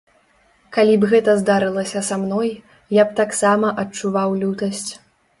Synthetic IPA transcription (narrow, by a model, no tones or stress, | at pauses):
kalʲibɣɛt̪ɐzd̪aɾɨlˠɐsʲɐsamnɔj | japt̪aksamɐʔɐt͡ʂuvawlʲut̪ɐsʲt͡sʲ